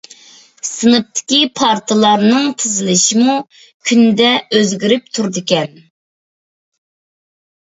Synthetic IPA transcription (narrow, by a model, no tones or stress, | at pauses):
sɨnɨp̚t̪ʰɪ̥kʲipʰɑɾt̪ʰɨlˠɑɾnɨŋt̪ʰɨzɪlɪʃimu | kʲʰynd̪ɛøzɡʲiɾɪp̚t̪ʰuɾd̪ɨkʲɛn